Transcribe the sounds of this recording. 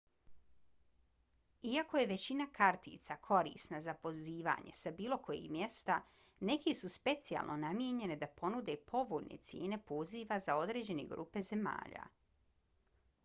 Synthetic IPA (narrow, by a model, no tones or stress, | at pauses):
iako̞je̞ʋe̞t͡ɕinakʰaɾt̪ḭːt̪sakʰo̞ɾḭːsnazapo̞ziːʋa̰ɲe̞̰sabiːlo̞kʰo̞jḭmje̞st̪a | ne̞kesuspe̞t̪sija̰lˠnʔo̞namje̞ɲe̞ned̪apo̞nud̪e̞pʰo̞ʋoʎnʔḛt̪sjḛːne̞poziʋazao̞d̪ɾe̞ːd͡ʑe̞ne̞̰ɡɾṵːpe̞ze̞ma̰ːʎa̰ː